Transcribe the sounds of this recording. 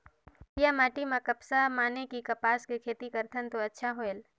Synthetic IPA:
pijamaːʈimãkɐpsamaːnekikɐpaːskekʰeːt̪ikəɾt̪ʰənt̪oɐtːʃʰaɦoel

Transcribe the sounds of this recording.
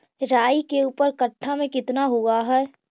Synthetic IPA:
ɾaːikeuːpəɾkəʈʰːamẽkɪt̪naɦuaɦɛː

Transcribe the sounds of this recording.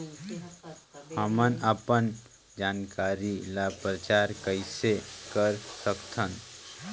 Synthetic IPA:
həmənapən | d͡ʒankaɾilapɾət͡ʃaɾkəɪsekəɾsəkt̪ʰən

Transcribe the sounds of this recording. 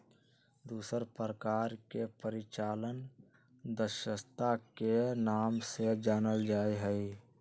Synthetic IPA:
d̪uːsəɾpɾəkaːɾkepəɾɪt͡ʃaːlən | d̪əʃəst̪akenaːmsed͡ʒaːnəld͡ʒaːiɦəi

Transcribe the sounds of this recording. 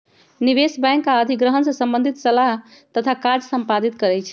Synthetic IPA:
niʋesbɛ̃jŋkaəd̪ʱiɡɾəɦənsə̃sə̃mbə̃nd̪ʱit̪səlaɦt̪ət̪ʰakaɾd͡ʒsəmpad̪it̪kəɾɛjt͡ʃʰ

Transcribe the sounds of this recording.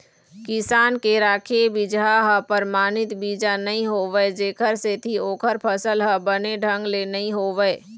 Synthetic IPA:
kɪsaːnkeɾaːkʰebid͡ʒaɦəpəɾmaːnɪt̪biːd͡ʒanɐɦĩɦoːʋəed͡ʒeːkʰəɾset̪ʰioːkʰəɾpʰəsəlɦəbəneɖʱə̃ŋɡlenəɦĩɦoːʋəe

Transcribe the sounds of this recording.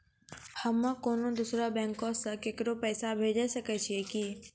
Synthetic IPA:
həmːəkoːnõd̪usɾabɛ̃ːŋkõsə̃kekɾopɛːsabʱeːd͡ʒesəkɛt͡ʃʰieki

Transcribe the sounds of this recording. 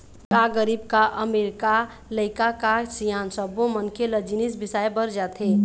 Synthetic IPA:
kaɡəɾibkaʔəmeɾika | ləɪkakasijansəbomənkʰeləd͡ʒinisbisajbəɾd͡ʒat̪ɦe

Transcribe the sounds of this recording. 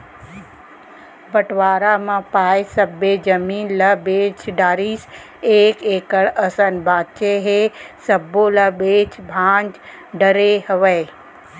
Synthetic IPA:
bəʈʋaːɾamãpaːjsəbed͡ʒəmiːnlɐbeːt͡ʃɖaːɾiːs | eːkeːkəɽɐsənbʱãːt͡ʃeɦesəboːlɐbeːt͡ʃbʱãːnd͡ʒ | ɖəɾehɐʋeː

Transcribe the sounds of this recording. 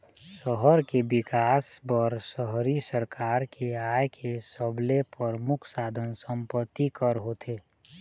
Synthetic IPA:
səɦəɾkebɪkaːsbəɾsəɦɾisəɾkʰaːɾkʰeajkʰesəblepəɾmʊkʰsaːd̪ʱənsə̃mpət̪ːikəɾɦot̪ʰeː

